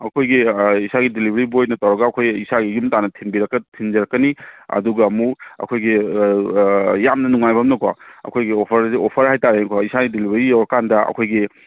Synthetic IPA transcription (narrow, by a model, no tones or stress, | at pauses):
ɐkʰojɡiisaɡidilibʱɐɾibojnɐtawɾɐɡɐːkʰojisaɡijumtanɐtʰinbiɾɐkːɐtʰind͡ʒɐɾɐkːɐniɐ̰duɡɐːmuɐ̰kʰojɡi | jamnɐnuŋajbʱɐmnɐkʰo̰ɐ̰kʰojɡiopʰɐɾziopʰɐɾhajtaɾenkʰɔisaɡidilibʱɐɾijawɐkandɐɐ̰kʰojɡi